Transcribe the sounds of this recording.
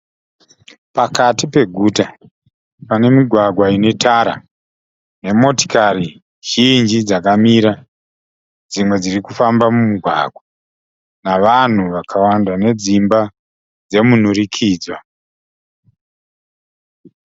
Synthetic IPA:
pakatipe̞ɡʱuta | pane̞miɡʱwaɡʱwaine̞tʰaɾa̰ | ne̞mo̞ti̥kari | ʒ̥ind͡ʒid͡zakamiɾa | d͡zimwe̞d͡zirikufambamumuɡʱwa̰ɡʱwa | naʋan̤uʋakʰawandane̞d͡zimba | d͡ze̞mun̤urikʰiːd͡zwa

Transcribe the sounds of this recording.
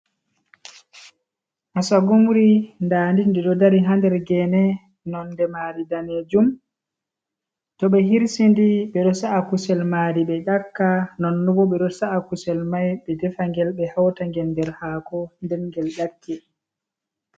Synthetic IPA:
ʔasaɡumuɾindaːndindiɗɔdaɾiɦandɛɾɡɛnɛ | nɔndɛmaɾidaned͡ʒum | tɔɓɛɦiɾsindiɓɛɗɔsaʔakusɛlmaɾiɓɛɗakːanɔnːɔbɔɓɛɗɔsaakusɛlmajɓɛdɛfaŋɡɛlɓɛhawtaŋɡɛndɛɾhaːkɔndɛnŋɡɛlɗakʰːɛ

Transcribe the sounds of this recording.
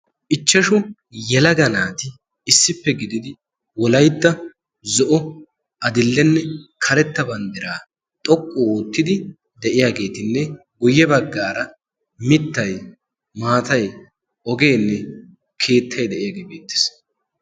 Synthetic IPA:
ʔɪt͡ʃːɐʃʊ | jɛlɐɡɐnaːt̪ɪː | sːɪpːɛɡɪd̪ɪd̪ɪ | wɔlɐjt̪ːɐ | zɔʔɔ | ɐd̪ɪlːɛnːɛkʰɐɾɛt̪ːɐbɐnd̪ɪɾaː | t̪ʼɔkʼːʊoːt̪ːɪd̪ɪ | d̪ɛʔɪjaːɡe̞ːt̪ɪnːɛ | ɡʊjːɛbɐɡːaːɾɐ | mɪt̪ːɐj | maːt̪ɐj | ɔɡe̞ːnːɛ | kʰe̞ːt̪ʰːɐjd̪ɛʔɪjaːɡeːbeːt̪ːɪ̥s

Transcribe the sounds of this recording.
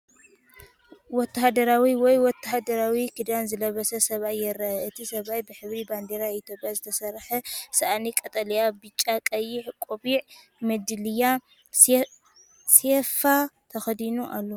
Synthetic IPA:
wɔt̪ːahad̪ɐɾawiwɔjwɔt̪ːahd̪ɐɾawikʰɨd̪anzɨlɐβɐsɐsɐβajːɛɾɐʔʔɨt̪ʰisɐβajbɨħɨβɾiband̪eɾait̪ʰjopʼjazɨt̪ʰɐsɐrħɐsɐʔanikʼɐt̪ʼɐlijabɨt͡ʃʼːakʼɐjːɪħkʼoβiʕ | mɨd̪ɨlɨja | sefat̪ʰɐxɐd̪inuʔa̰lːo

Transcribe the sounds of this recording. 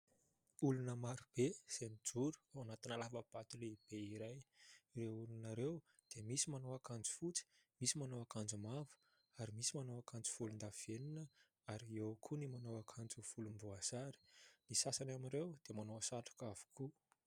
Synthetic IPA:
ulunəmaɾub̥ez̥enid͡ʒuɾu̥awanat̪inalavəb̥at̪uleib̥eiɾajreulunaɾew | d̪̥emisimanoakand͡zu̥fut͡si̥misimanoakand͡zumavu̥ | aɾimisimanowakand͡zu̥fulund̪av̥eninə | aɾiewkʰunimanowakʰand͡zuv̥ulumbuazaɾi̥nisasanamiɾewd̪̥emanoasaʈ͡ʂu̥kavu̥kʰu

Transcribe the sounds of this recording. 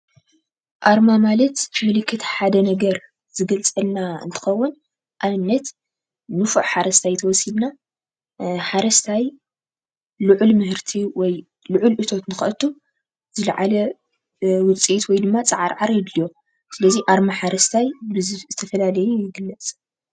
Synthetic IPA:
ʔaɾmamalɐt̪mɨlɨkʰːɨt̪ħad̪ɐnɐɡɐɾ | z̥ɨɡɐlt͡sʼɐlnaɨ̰nt̪ʰɨ̥xɐwːʊn | ʔamɨnːɐt̪ | nɨfuʕħaɾɐst̪ʰajt̪ʰɐwɔsibna | ħaɾɐst̪ʰaj | lɨʕʊlmɨhɨɾt̪ʰiwɔj | lʊʕʊlʔɨt̪ʰo̞t̪nɨxʔɐt̪ʰːu | z̥ɨlʕalɐ | wʊt͡sʼiit̪wɔjd̪ɨmːat͡sʼɨʕaɾʕaɾjɪd̪lijo̞ | sɨlɐziʔaɾmaħaɾɐst̪ʰajbɨzzɨt̪ʰɐfɐlalɐjujɪɡɨlːɐt͡sʼ

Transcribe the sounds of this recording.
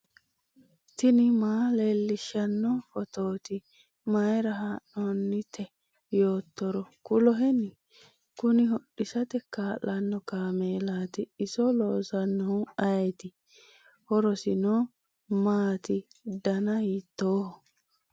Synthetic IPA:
t̪ɪnɪmaːlelːɪʃːɐnːɔfɔt̪oːt̪ɪ | mɐjɾɐɦaːnːɔnːɪt̪ʰːɛ | jo̞ːt̪ːɔɾɔkʊlɔɦɛnɪ | kʊnɪɦɔɗːɪsɐt̪ɛkaːlːɐnːɔkaːmeːlaːt̪ɪɪsɔloːsɐnːɔʊɐjɛt̪ɪ | hɔɾɔsɪnɔ | maːt̪ɪ | d̪ɐnɐhiːt̪ːoːhɔ

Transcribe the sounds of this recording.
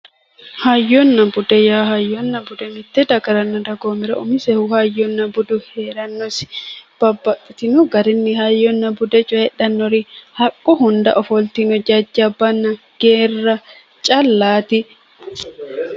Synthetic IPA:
hɐjːɔnːɐbʊd̪ɛjaːhɐjːɔnːɐbʊd̪ɛmɪt̪ːɛd̪ɐɡɐɾɐnːɐd̪ɐɡoːmɪɾɐʊmɪsɛhʊhɐjːɔnːɐbʊd̪ʊheːɾɐnːɔsb̥ɐbːɐt̪ʼːɪt̪ɪnʊɡɐɾɪnːɪhɐjːɔnːɐbʊd̪ɛt͡ʃʼɔjɛɗɐnːɔɾɪhɐkʼːʊhʊnd̪ɐ̰ʔɔfɔlt̪ɪnɔd͡ʒɐd͡ʒːɐbːɐnːɐ | ɡ̥eːrːɐ | t͡ʃʼɐlːaːt̪ɪ

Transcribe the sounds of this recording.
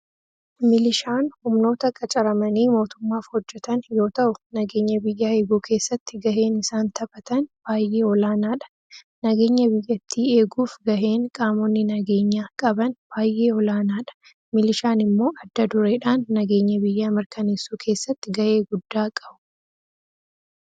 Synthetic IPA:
mɪlɪʃaːnhʊmno̞ːt̪ɐkʼɐt͡ʃʼɐɾɐmɐniːmo̞ːt̪ʊmːaːfhɔd͡ʒːɛt̪ɐnjo̞ːt̪ɐʔʊnɐɡe̞ːɲːɐbɪjːaːe̞ːɡuːkʰe̞ːsːɐt̪ːɪɡɐʔe̞ːnɪsaːnt̪ɐbɐt̪ɐnb̥aːjʔe̞ːɔlaːnaːᶑɐ̥ | nɐɡe̞ːɲːɐbɪjːɐt̪ʰːiːe̞ːɡuːfɡɐʔe̞ːŋkʼaːmɔnːɪnɐɡe̞ːɲːaːkʼɐbɐnb̥aːjʔe̞ːɔlaːnaːᶑɐ̥ | mɪlɪʃaːnɪmːo̞ːʔɐd̪ːɐd̪ʊɾeːᶑaːnːɐɡe̞ːɲːɐbɪjːamɪɾkɐneːsːuːkʰe̞ːsːɐt̪ːɪɡɐʔe̞ːɡʊd̪ːaːkʼɐbʊ̥

